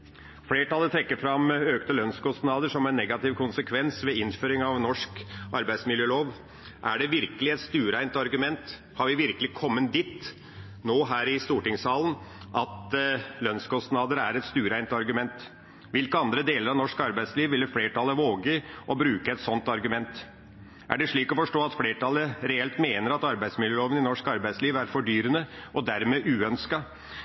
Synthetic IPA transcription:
fleːʈɑlːət̪ʰɾɛkːəɾfɾɑmøːkt̪əlœnskɔst̪nɑːd̪əʂɔmæɪnːɛɡɑt̪ɪʋkʰʊnsəkʰʋɛnsʋɛɪnføːɾɪŋɑʋnɔʂkɑɾbæɪd̪smɪljøːloːʋ | ʔæ̰ɖɛʋɪɾkəlɪɛt̪st̪ʉːɾæɪnt̪ɑɾɡʉmɛnt̪ | hɑɾʋɪʋɪɾkəlɪkʰɔmːənd̪iːt̪ | noːɦæːɾɪst̪uːʈɪŋsɑːlən | ʔɑt̪lœnskʰɔst̪nɑːd̪əɾəæɾɛt̪st̪ʉːɾæɪnt̪ɑɾɡʉmɛnt̪ | ʋɪlkəɑnd̪ɾəd̪eːləɾɑʋnɔʂkɑɾbæɪsliːʋʋɪlːəfleːʈʰɑlːəʋoːɡəʔɔbɾʉːkəɛt̪sɔnt̪ɑɾɡʉmɛnt̪ | ʔæ̰ɖɛʂɭiːkɔfɔʂʈoːɑt̪fleːʈʰɑlːəɾɛɛlt̪meːnəɾɑt̪ɑɾbæɪsmɪljəloːʋənɪnɔʂkɑɾbæɪsliːʋæɾfɔɖyːɾənəɔd̪æɾmeːʔʉːœnskɑ

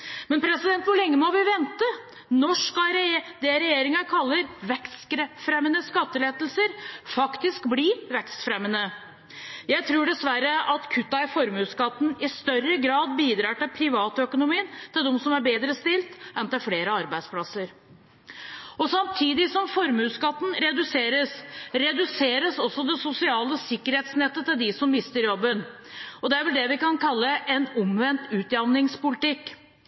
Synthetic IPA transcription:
mɛnpʰɾɛsɪd̪ɛnt̪ʋʊɭɛŋːəmɔʋɪʋɛnt̪ə | nɔʂkɑɾd̪ɛɾɛjeːɾɪŋɑkʰɑlːəɾʋɛkst̪kɾəfɾɛmːənəskɑt̪ːəleːd̪lsəɾfɑkt̪ɪskbliʋɛkst̪fɾɛmːənə | jæɪt̪ʰɾuːɖɛsʋæɾəʔɑt̪kʰʉt̪ːɑɪfɔɾmʉːskɑt̪ːn̩ɪst̪œrəɡɾɑːd̪biːd̪ɾɑːʈɪlpʰɾɪʋɑːt̪œkʊnʊmiːənt̪ʰɪld̪ɛmsɔmæɾbeːd̪ɾəst̪ɪlt̪ɛnt̪ɪlfleːɾəɑɾbæɪd̪spʰlɑsəɾ | ɔsɑmt̪ʰiːd̪ɪsɔmfɔɾmʉːskɑt̪ːn̩ɾɛd̪ʉseːɾəsɾɛd̪ʉseːɾəsɔsːɔd̪ɛsʊsɪɑːləsɪkːəɾheːt̪snɛt̪ːət̪ɪld̪ɪsɔmmːɪst̪əɾjɔbːən | ɔd̪ɛæɾʋɛld̪ɛʋɪkɑnkʰɑlːəʔɛnʊmʋɛnt̪ʉːt̪jɑʋnɪŋspʊlɪt̪ɪkː

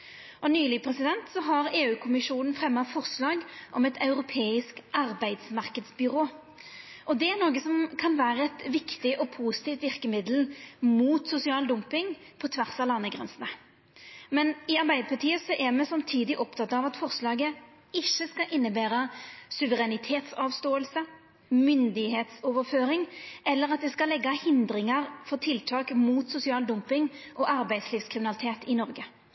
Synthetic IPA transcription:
ʔɔnyːlɪpʰʁɛsɪd̪ɛnt̪sɔɦɑʁeːʉːkʰʊmɪʃuːnn̩fʁɛmːɑfɔʁslɑːɡʔɔmɛt̪ɑʉɾʊpʰeːɪskʔɑʁbæɪd̪smɑʁkəd̪sbʏɾoː | ʔɔd̪ɛænoːɡəsɔmkʰɑnʋæːɾəɛt̪ʋɪkt̪ɪʔɔpʰuːsɪ̥t̪ift̪ʋɪʁkəmɪd̪l̩muːt̪sʊsɪɑːld̪ʊmpɪŋpʰɔt̪ʰʋæʁsɑlɑnːəɡʁɛ̰nsnə | mɛnɪɑʁbæɪd̪əpʰɑʈ̪ʰiːəsɔʔɛmɛsɑmt̪ʰiːd̪ɪʔɔpt̪ʰɑt̪ɑːʋɑt̪fɔʁslɑːɡə | ɪçːəskɑʔɪnːəbæːɾəsʉʋəʁɛnɪt̪ʰeːt̪sɑːʋst̪oːəlsə | mʏnd̪ɪheːt̪sɔːʋəɾføːɾɪŋʔɛlːəʁɑt̪̚d̪ɛskɑlːɛɡːɑhɪnd̪ɾɪŋəʁfɔʁt̪ʰɪlt̪ʰɑːkmuːt̪sʊsɪɑːld̪ʊmpɪŋʔɔʔɑʁbæɪsliːʋskʰʁɪmɪnɑlɪt̪ʰeːt̪ɪnɔʁɡə

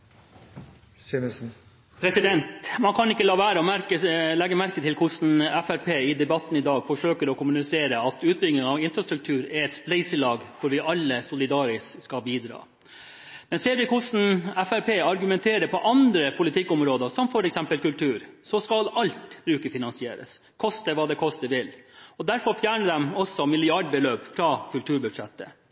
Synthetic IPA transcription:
pʰɾɛsɪd̪ɛnt̪mɑnkʰɑnɪkːəlɑːʋæːɾəɔmæɾkəlɛɡːəmæɾkət̪ʰɪlkʰʊsn̩ɛfæɾpʰeːɪd̪ɛbɑt̪ːn̩ɪd̪ɑːɡfɔʂøːkəɾɔkʊmʉnɪseːɾəɑt̪ʉːt̪̚bɪlɡnɪŋɑʋɪnfɾɑst̪ɾʉk̚t̪ʰʉːɾɛɾɛt̪splɛɪsəlɑːɡkʰʊɾʋɪʔɑlːəsʊlɪd̪ɑːɾɪsskɑbiːd̪ɾɑ̰ː | mɛnseːɾʋɪkʰʊsn̩ɛfæɾpʰeːɑɾɡʉmɛnt̪ʰeːɾəpɔʔɑnd̪ɾəpʰʊlɪt̪ʰɪkːʊmɾoːd̪əsɔmfɔɾɛksɛmpəlkʉlt̪ʰʉːɾsɔskɑlɑlt̪b̥ɾʉːkəfɪnɑnsɪḛːɾə̰s | kʰɔst̪əʋɑːd̪ɛkʰɔst̪əʋɪlɔd̪æɾfɔɾfjæːɳəd̪ɛmɔsːɔmɪlɪɑɖbəløːpfɾɑkʰʉlt̪ʰʉːɾbʉ̥ʂɛt̪ːə

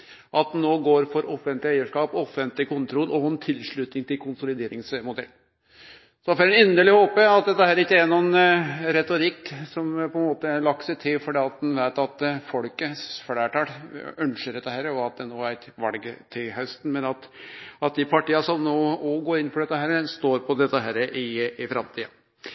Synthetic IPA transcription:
ʔɑt̪̚noːɡoːɾfɔɾɔfənt̪lɪæɪəʂkɑːpɔfənt̪lɪkʊnt̪ʰɾɔlːʔɔɛnt̪ʰɪlʂɭʉt̪nɪŋt̪ʰɪlkʰʊnsʊlɪd̪eːɾɪŋsmʊd̪ɛ̰lː | sɔfɔɾɛnɛnd̪əɭɪhoːpəɑt̪̚d̪ɛt̪ːəhæːɾɪkːəæɾnuːɛnɾɛt̪ʊɾɪkːsɔmpʰɔɛnmoːt̪əlɑk̚t̪sɛɪt̪ʰɪfɔɖɛːɑt̪̚d̪ɛnʋæɪt̪ɑt̪fɔlkəsfɽæːʈɑːɾœnʂəɖ̪ɛt̪ːəhæːɾəɔɑt̪̚d̪ɛnoːæɾɛt̪ʋɑlɡət̪ʰɪlɦœst̪n̩mɛnɑt̪ɑt̪̚d̪ɪpʰɑʈiːɑsɔmnoːɔɡoːɾɪnːfɔɖɛt̪ːəɦæːɾəst̪oːɾpʰɔd̪ɛt̪ːəɦæːɾəʔɪɪfɾɑmt̪ʰiːɑ

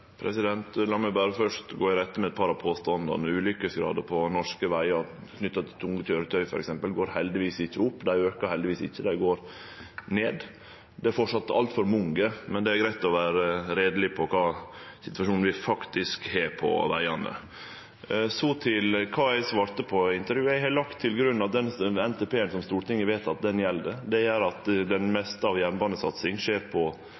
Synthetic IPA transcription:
pʰɾɛsɪd̪ɛnt̪lɑːmɛbɑːɾəfœʂtɡoːɪɾɛt̪ːəmɛɛt̪̚pʰɑːɾɑpʰoːst̪ɑnd̪ɑ̰nʉːlʏkːəsɡɾɑ̰ːd̪əpʰɔnɔʂkəʋæɪɑɾkʰnʏt̪ːɑt̪ʰɪt̪ʰʊŋəc͡çøːɾət̪ʰœʏfɔɾɛksɛmpəlɡoːɾhɛld̪ɪʋiːsɪçːəʊpːd̪æɪøːkəɾhɛld̪ɪʋiːsɪ̰çːəd̪æɪɡoːɾ | neːd̪ | d̪ɛæɾfɔʈʂɑt̪ːɑ̰lt̪fɔɾmʊŋɡəmɛnd̪ɛæɾɡɾæɪt̪ːɔʋæːɾəɾeːd̪əlɪpʰɔkʰɑːsɪt̪ʋɑʂuːnn̩ʋɪfɑkt̪ɪskheːɾpʰɔ̰ʋæ̰ɪɑnə̰ | sɔt̪ʰɪlkʰɑːæɪsʋɑːɾt̪əpʰɔɪnt̪əɾjʉːæɪhɑlɑkt̪ʰːɪlɡɾʉnːɑt̪d̪ɛnɛnt̪ʰɛpʰeːənsɔmst̪uːɾʈ̪ɪŋːəɾʋeːt̪ɑt̪̚d̪ɛnjɛlːd̪əd̪ɛæɾɑt̪d̪ɛnmɛst̪əɑʋjæɾnbɑːnəsɑ̰t̪sɪŋʂeːɾpʰɔ

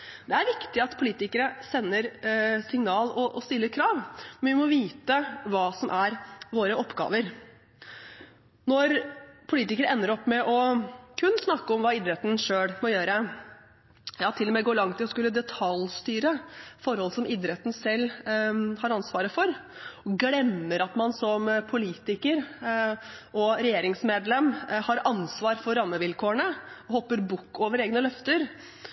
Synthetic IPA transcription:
d̪ɛæɾʋɪkt̪ɪɑt̪pʰʊliːt̪ɪkəɾəsɛnːəɾsɪŋnɑːlɔʔɔst̪ɪlːəɾkʰɾɑːʋmɛnʋɪmɔʋiːt̪əʋɑːsɔmʔæɾʋoːɾəʔɔpːɡɑ̰ːʋəɾ | nɔɾpʰʊliːt̪ɪkəɾəɛnːəɾɔpːmɛʔɔkʰʉnːsnɑkːəɔmʋɑːid̪ɾɛt̪n̩ʂøːɽmɔjøːɾə | jɑːt̪ʰɪlːɔmɛɡoːɭɑŋt̪ʰːɪlɔskʉlːəd̪ɛt̪ʰɑlst̪yːɾəfɔɾhɔlsɔmʔɪd̪ɾɛt̪ːn̩sɛlː | hɑɾɑnsʋɑːɾəfɔɾ | ɔɡɽɛmːəɾɑt̪mɑnsɔmpʰʊliːt̪ɪkəɾ | ʔɔɾɛjeːɾɪŋsmeːd̪lɛmːhɑɾɑnsʋɑːɾfɔɾːɑmːəʋɪlkʰoːəɳəhɔpːəɾbukːoːʋəɾeːɡnəlœft̪əɾ

